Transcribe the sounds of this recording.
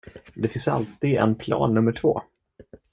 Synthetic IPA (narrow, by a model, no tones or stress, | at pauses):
d̪ɛfɪnsa̰lt̪iːd̪ɛ̰npʰlɑ̰ːnːɵmːəʈʰvo̰ː